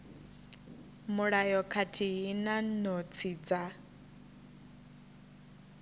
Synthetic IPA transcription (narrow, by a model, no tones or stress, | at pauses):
mʊɺajɔkʰatʰiɦinanɔt͡sʰiːd͡za